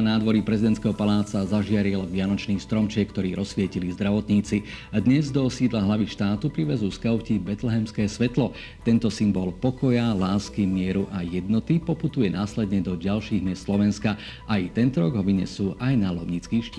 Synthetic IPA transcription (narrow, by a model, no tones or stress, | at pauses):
naːd̪ʋɔɾipɾɛzid̪ɛnt̪skɛːɦɔpalaːt͡sazaʒɪaɾilʋɪanɔt͡ʃniːst̪ɾɔmt͡ʃɪɛkːt̪ɔɾiːɾɔsʋɪɛcilizd̪ɾaʋɔt̪ɲiːt͡siad̪ɲɛzd̪ɔsiːd̪laɦlaʋiʃt̪aːt̪upɾiʋɛzuːskaʊcibɛt̪lɛɦɛmskɛːsʋɛt̪lɔ | t̪ɛnt̪ɔsimbɔlpɔkɔjalaːskimɪɛɾuʔajɛd̪nɔt̪ipɔput̪ujɛnaːslɛd̪ɲɛd̪ɔɟalʃiːɣmɪɛst̪slɔʋɛnska | ʔajt̪ɛnt̪ɔɾɔɡɦɔʋiɲɛ̰suːʔajnalɔʊɲit͡skiːʃcː